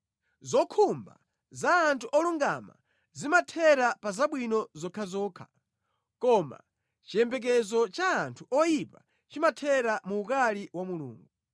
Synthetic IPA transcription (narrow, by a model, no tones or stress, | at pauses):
zɔkʰumba̰ | zaːntʰuʔɔluŋɡa̰ma̰ | zimatʰɛɾapazaɓwinɔzɔkʰazɔːkʰḁ | kɔma̰ | t͡ʃijɛmbɛk̬ɛzɔt͡ʃaːntʰuʔɔjipa | t͡ʃimatʰɛɾamuːkaliwamulṵːŋɡu